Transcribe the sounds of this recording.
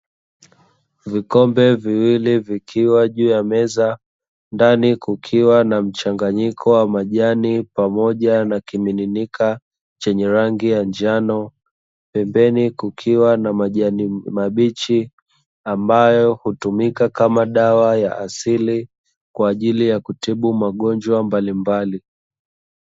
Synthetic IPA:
vikɔmbɛviwilivikʰiwaʄuːjamɛza | ndanikukʰiwanam̩t͡ʃaŋɡaɲikʰɔwamaʄanipamɔʄanakimininika | t͡ʃɛɲɛɾaŋɡijand͡ʒanɔ | pɛmbɛnikukʰiwanamaʄanimaɓit͡ʃi | ambajɔhutumikakamaɗawajaʔasili | kwaːʄilijakutiɓumaɠɔnd͡ʒwambalimbali

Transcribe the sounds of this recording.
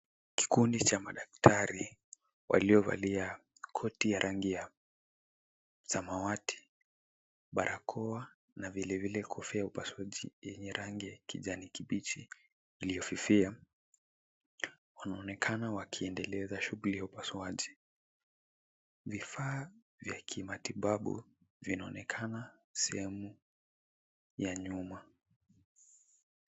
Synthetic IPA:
ki̥kundit͡ʃamaɗak̚tʰaɾi | wʔa̰liɔva̰lia | kʰɔtijaɾʔaŋɡija | samawatʰi̥ | ɓaɾʔakʰɔa | navilɛvilɛkʰɔfɛjaupasuwaʄḭjɛɲɛɾʔaŋɡɛkiʄanikiɓit͡ʃiː | lijɔfifia | wanaɔnɛkʰanawakʰiɛndɛlɛzaʃuɡulijaupaswaʄi | vifaː | vjakʰimatiɓaɓṵvinaɔnɛkʰanasɛhɛmu | jaɲuma

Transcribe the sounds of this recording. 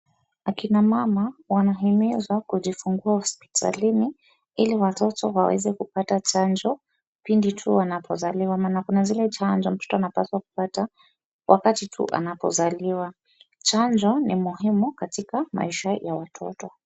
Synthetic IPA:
akinamamawanaɦimizwakuʄifuŋɡuahɔspi̥tʰa̰lini | iliwatɔtɔwawɛ̰zɛkupatat͡ʃand͡ʒɔ | pinditʰuwanapʰɔzaliwamaːnakunazilɛt͡ʃand͡ʒɔm̩tɔ̥tɔanapaswaku̥pata | wʔakatitʰṵʔa̰napɔ̰zaliwa | t͡ʃand͡ʒɔnimuɦimukatikama̰iʃajawatʰɔ̰tɔ

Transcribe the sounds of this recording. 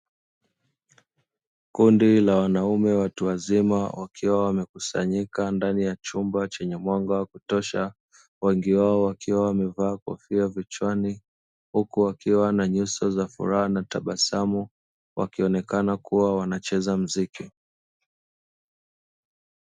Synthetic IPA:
kundilawanaumɛwatuwazimawʔakʰiwawamɛkusa̰ɲikandanijat͡ʃumbat͡ʃɛɲɛmwaŋɡawakutɔʃa | wɛŋɡiwaɔwakʰiwawamɛvaːkɔ̰fiavit͡ʃwani | hukuwakiwanaɲusɔzafṵɾahanataɓasamu | wʔa̰kiɔnɛkanakuwawanat͡ʃɛzam̩ziki

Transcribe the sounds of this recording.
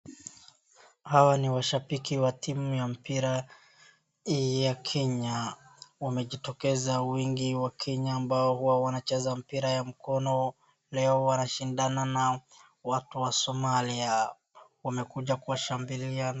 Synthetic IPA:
hawaniwaʃapikiwatimujam̩piɾa | ijakʰɛɲawamɛʄitɔkɛzawiŋɡiwakʰɛɲaːmbaɔhuwawanat͡ʃɛzam̩piɾajam̩kɔnɔ | lɛɔwanaʃindanana | watuwasɔmalia | wamɛkuʄakuwaʃambiliana

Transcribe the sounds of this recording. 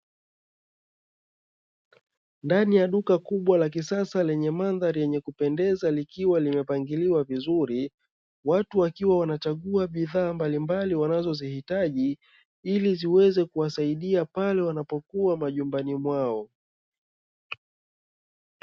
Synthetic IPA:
ndanijaɗukakuɓwalak̬isasalɛɲɛmanðaɾijɛɲɛkupɛndɛzalikiwalimɛpaŋɡiliwavizuɾi | watuwakiwawanat͡ʃaɠuaɓiðaːmbalimbaliwanazɔzihitaʄi | iliziwɛzɛkuwasaiɗiapalɛwanapɔkuamaʄumbanimwaɔ

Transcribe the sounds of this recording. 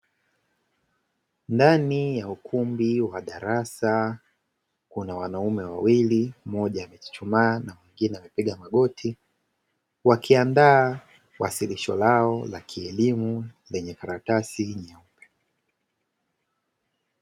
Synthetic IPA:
ndanijaukʰumbiwaɗaɾasa | kunawanaumɛwawilimɔʄaːmɛt͡ʃi̥t͡ʃumaːnamiŋɡinɛamɛpiɠamaɠɔtʰi | wakʰiandaː | wasiliʃɔlaɔlakʰiɛlimulɛɲɛkaɾatasiɲaupɛ̥

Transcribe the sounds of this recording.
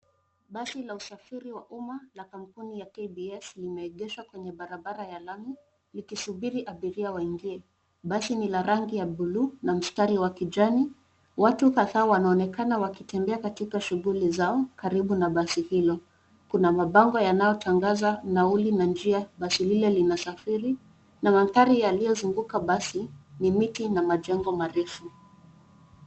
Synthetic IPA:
ɓasilausafiɾiwaʔumalakam̩punijakebiɛslimɛɛʄɛʃwakwɛɲɛɓaɾaɓaɾajalami | likisuɓiɾiʔaɓiɾiawaiŋɡiɛ | ɓasinilaɾaŋɡijaɓulunam̩staɾiwakiʄani | watukaðaːwanaɔnɛkanawakitɛmbɛakatikaʃuɣulizaɔkaɾiɓunaɓasihilɔ | kunamaɓaŋɡɔjanajɔtʰaŋɡazanaulinand͡ʒiaɓasililɛlinasafiɾi | namaθaɾijalijɔzuŋɡukaɓasinimitinamaʄɛŋɡɔmaɾɛfu

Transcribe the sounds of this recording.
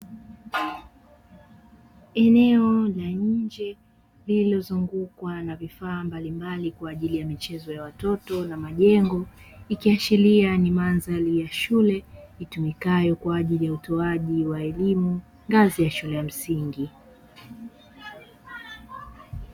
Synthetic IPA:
ɛnɛɔlaɲ̩d͡ʒɛ | lililɔzuŋɡukwanavifaːmbalimbalikwaːʄilijamit͡ʃɛzɔjawatɔtɔnamaʄɛŋɡɔikiat͡ʃilianimanzalijaʃulɛitumikajɔkwaːʄilijautɔaʄiwaɛlimu | ŋɡazijaʃulɛjam̩siŋɡi

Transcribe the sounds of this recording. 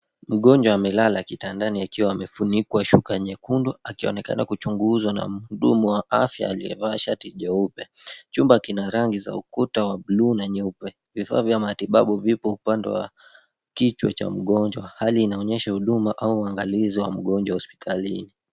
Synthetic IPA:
m̩ɠɔɲd͡ʒwaːmɛlalakitandaniakiwaːmɛfunikwaʃukaɲɛkundɔakiɔ̰nɛka̰nakut͡ʃuŋɡuzwana̰m̩uɗumuwaa̰fja̰ːliɛ̰vaʃatiʄɔupɛt͡ʃumbakinaɾaŋɡiza̰ukutawaɓluːnaɲɛupɛ | vifa̰ːvjamatiɓa̰ɓuvipɔupandɛ̰wa̰ | kit͡ʃwɔ̰t͡ʃa̰m̩ɠɔɲd͡ʒwahaliːnaɔɲɛʃahuɗumaʔauːaŋɡaliziwa̰m̩ɠɔɲd͡ʒwahɔspi̥tʰalini

